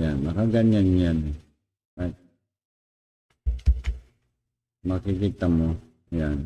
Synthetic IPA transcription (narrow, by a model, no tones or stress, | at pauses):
janakaɡaɲanːiani | a | makikit̪amo | jan